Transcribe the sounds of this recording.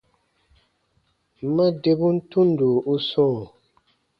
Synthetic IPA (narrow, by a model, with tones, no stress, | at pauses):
ma˦de˦bu˦n̩˦tu˦n˦du˨u˦sɔ̃ː˦˨